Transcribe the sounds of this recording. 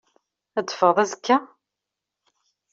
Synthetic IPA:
æd̪ːfəðˤæzəkːa

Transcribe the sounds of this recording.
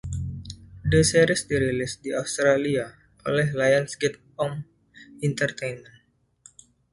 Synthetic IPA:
deseɾɪsdiɾilɪsdiaust̪ɾalia | ʔolɛɦlajansɡɛt̪̚ | ɔm | int̪ərt̪ejnmɛn

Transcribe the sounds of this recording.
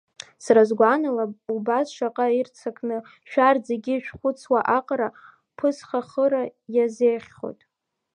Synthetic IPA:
srazɡʷanalaubasʃaqʼairt͡sʰakʰnɨ | ʃᶣard͡zeɡʲiʃᶣχʷʊt͡sʰwaʔaqʼɾa | pʰɨsχaχəɾajazejχʲχo̰jtʼ

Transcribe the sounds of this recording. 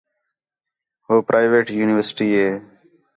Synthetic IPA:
ɦoːpɾʔaːɪʋeːʈjuːnɪʋəɾsɪ̥ʈiːɦeː

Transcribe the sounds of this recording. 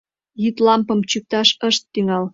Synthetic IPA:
jyt̪lɑmpɤ̆mt͡ɕyk̚t̪ɑʃəʃt̪ːyŋɑl

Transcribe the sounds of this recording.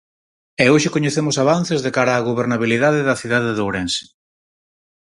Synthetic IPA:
ɛoʃɪkoɲeθemʊsaβ̞anθezðekaɾaːɣoβ̞eɾnaβ̞iliðaðeðɐθiðaðeðowɾɛnse̥

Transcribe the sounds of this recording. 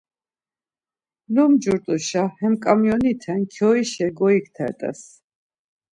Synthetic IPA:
lumd͡ʒuɾt̪ʼuʃahɛmkʼamjɔnit̪ʰɛnkʰjɔiʃɛɡɔik̚ʰt̪ʰɛ̰ɾt̪ʼɛ̰s

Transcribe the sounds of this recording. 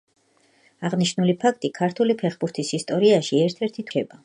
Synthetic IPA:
aʁniʃnulipʰakʰt̪ʼikʰaɾt̪ʰulipʰɛχbuɾt̪ʰisist̪ʼɔɾiaʃiɛɾt̪ʰɛɾt̪ʰit̪ʰʃɛba

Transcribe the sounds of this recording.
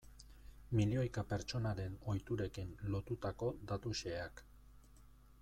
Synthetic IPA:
milio̞jkape̞ɾt͡ʃo̞naɾe̞no̞jt̪uɾe̞kinlo̞t̪ut̪ako̞d̪at̪uʃe̞ak

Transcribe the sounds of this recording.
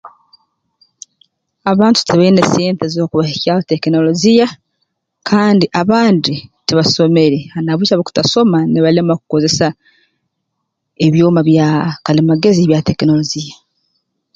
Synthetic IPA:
aβaːntu̥tʰeβaineseːntezo̞ːkuβahicaːwote̞kino̞lo̞zija | kʰaːndiʔaβaːnditeβaso̞me̞ɾeanaβut͡ʃaβoku̥taso̞maneβalemakuko̞ze̞sa | eβjoːmaβjakalimaɡe̞ziβjate̞kino̞lo̞zija

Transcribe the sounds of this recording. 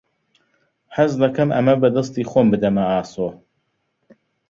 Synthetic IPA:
ħazlɐkʰɐmʔɐ̰mɐbɐd̪ɐst̪iːxoːmbɨd̪ɐmɐaːsoː

